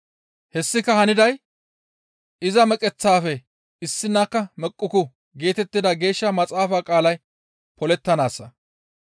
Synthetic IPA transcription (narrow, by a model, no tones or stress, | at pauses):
hɛsːɪkːɐhɐnɪd̪ɐj | ɪzɐmɛkʼɛt͡sːaːfɛ | ɪsːɪnːaːkːɐmɛkʼːʊkʊ | ɡe̞ːt̪ɛt̪ːɪd̪ɐɡe̞ːʃːɐmɐt͡sʼaːfaːkʼaːlɐj | pɔlɛt̪ːɐnaːsːɐ